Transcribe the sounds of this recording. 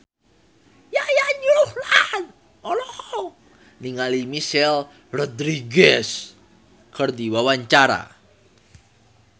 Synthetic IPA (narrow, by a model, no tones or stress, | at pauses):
jajaɲuɾuhlahn | ʔɔlɔ | niŋalimiʃɛl | rɔd̪ɾiɡɛs | kərd̪iwawaɲt͡ʃaɾa̰